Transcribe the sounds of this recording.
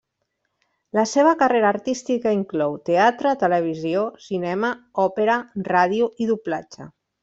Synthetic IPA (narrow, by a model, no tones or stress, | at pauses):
ləseβ̞əkareɾaːɾt̪ist̪ikaiŋklɔwt̪eat̪ɾət̪ələβ̞iziosinɛməɔpeɾəraðiuiðuplad͡ʒə̰